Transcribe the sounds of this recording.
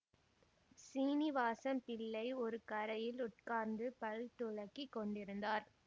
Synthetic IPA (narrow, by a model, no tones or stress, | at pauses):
siːnɪʋaːsɐmpɪɭːɐɪɔɾɯkɐɾɐjɪlʊʈ̚kaːɾnd̪ɯpɐɻt̪ːʊɭɐkːikːɔɳɖɪɾɯnd̪aːɾ